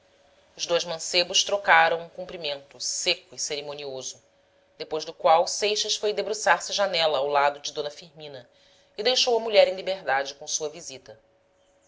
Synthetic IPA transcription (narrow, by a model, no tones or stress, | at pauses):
ʊzd̪ojzmɐ̃sebʊʃt̪ɾokaɾɐ̃w̃ũkũpɾimẽnt̪ʊsekʊiseɾemõniozʊ | d̪epojzd̪ʊkwawsejʃɐsfojd̪ebɾusaɾsɪʒanɛlɐːwlad̪ʊd͡ʒɪd̪õnɐfiɾmĩnɐ | id̪ejʃowɐmuʎɛɾẽj̃libeɾd̪ad͡ʒɪkõsuɐvizit̪ɐ